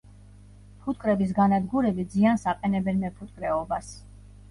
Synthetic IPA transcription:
pʰut̪̚ʰʼkʼɾɛbis̬ɡanad̪ɡuɾɛbid̪ziansaqʼɛnɛbɛnmɛpʰut̪̚ʼkʼɾɛɔbas

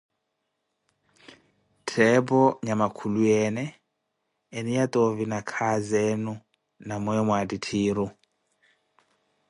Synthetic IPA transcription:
tʰɛbɔɲamakʰulujɛnɛː | nijat̪ʼovinakʰazɛnu | namɔɛmwaditʰiːɾu

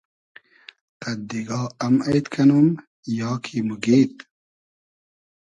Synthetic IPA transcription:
qɐd̪iɡɑːɐmɐjt̪kʰɐnum | jɑːkʰimuɡeːt̪

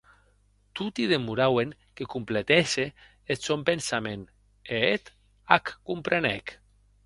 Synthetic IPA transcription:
t̪ut̪iðemuɾaweŋkekumplet̪ese | esompensamen | eet̪ | akːumpɾenek

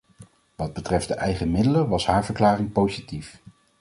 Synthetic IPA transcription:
ʋɑd̚bətrɛfdəʔɛjχəmɪdələʋɑsɦaːɹvəɹklaːrɪŋpowzitif

